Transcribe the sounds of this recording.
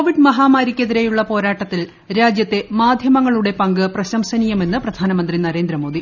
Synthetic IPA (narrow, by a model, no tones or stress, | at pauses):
oʋiɖmɐɦaːmaːɾikʲːeðiɾejuɭːɐpo̞ːɾaːʈːɐt̪ːil | ɾaːd͡ʑjɐt̪ːe̞maːd̪ʱjɐmɐŋːɐɭuɽe̞pɐŋɡɨprɐɕɐmsɐnijɐme̞nːɨprɐd̪ʱaːnɐmɐnd̪rinɐɾe̞ːnd̪ɾɐmo̞ːd̪i